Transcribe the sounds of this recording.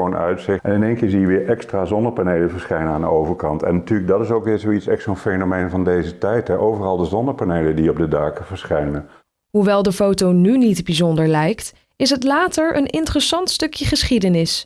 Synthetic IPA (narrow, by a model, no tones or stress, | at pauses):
onœ̰ɥtsɪʔɛnɪnejnkɪːɹzijəʋɪːɹʔɛkstraːzɔndəpanejləvəɹsχɛjnəaːndə̰owvəɹkɑ̰ntɛ̰nːatyːɹləɡ̚dɑtɪsowkʋɪːɹzoitsɛχsonfejnomejnvɑndejzətɛjtɦɛʔowvərɑlˠdəzɔndəpanejlədiɔb̚dədaːkəvəɹsχɛjnən | ɦuʋɛlˠdəfowtonynitbizɔndəɹlɛjkt | ɪsɦətlaːtəɹʔə̰nɪntərəsɑntstɵkjəχəsχidənɪs